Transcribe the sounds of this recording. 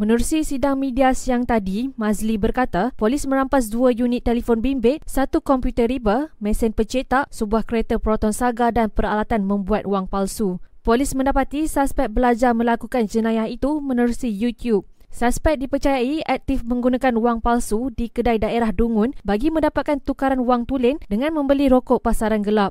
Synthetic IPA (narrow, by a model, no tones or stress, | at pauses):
mə̃nəɾusisidaŋmĩdiasiaŋt̪adimãzlibərkat̪apolismə̃ɾampas̬duajunit̪ːelifonbimbɪʔ̚sat̪ukɔmpjut̪ərɾibəmɛ̃sɛnpət͡ʃet̪aʔsəbuahkəɾet̪əpɾot̪ɔnsaɡadanpəɾalat̪anmə̃mbuat̪̚uaŋpalsupolismə̃ndapat̪isaspɛk̚bəlad͡ʒarmə̃lakukand͡ʒənãjahit̪umə̃nəɾusijut̪jub̚ | saspɛk̚dipərt͡ʃajaiak̚t̪ɪfmə̃ŋɡunakanuwaŋpalsudikədajdaeɾahduŋʊnbaɡimə̃ndapat̪̚kant̪ukaɾanuwaŋt̪ulɪndəŋãnmə̃mbəliɾokɔʔpasaɾanɡəlap̚